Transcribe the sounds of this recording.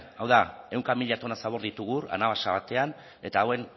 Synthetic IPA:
awðae̞wŋkamiʎat̪o̞nasaβ̞o̞ɾðit̪uɣura̰naβasaβat̪e̞an | e̞t̪aːwe̞n

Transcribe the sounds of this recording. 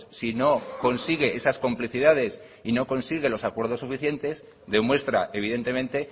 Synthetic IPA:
sino̞ko̞nsiɣ̞e̞ʔe̞sasko̞mpliθiðað̞e̞s | ino̞ko̞nsiɣe̞lo̞sakwe̞ɾð̞o̞sːufiθje̞nt̪e̞z | ðe̞mwe̞st̪ɾa̰ʔeβ̞iðe̞nt̪e̞mẽnt̪e̞

